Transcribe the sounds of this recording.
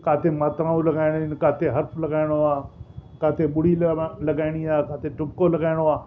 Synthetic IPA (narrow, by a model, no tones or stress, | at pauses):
kaːt̪ʰemaːt̪ɾãːũlɐɡaːɪɽ̃nkaːt̪ʰeɦɐɾpʰlɐɡaːɪɽ̃oaːkaːt̪ʰeɓʊɽilɐɡaːɪɽ̃iaːkaːt̪ʰeʈʊpkolɐɡaːɪɽ̃oaː